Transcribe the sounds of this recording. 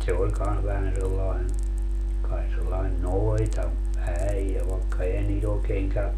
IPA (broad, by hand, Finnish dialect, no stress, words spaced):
se olʲ kɑns ʋæhæn selːɑin kɑi selːɑin noitɑ æijæ ʋɑekːɑ ehæn niːt oːkeːŋ kæøp